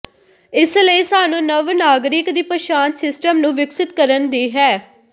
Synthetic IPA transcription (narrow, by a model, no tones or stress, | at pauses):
ɪsləiːsaːnũːnəʋnaːɡɾɪkd̪iːpəʃaːnsɪsʈəmnũːʋɪksɪt̪kəɾənd̪iːɦɛː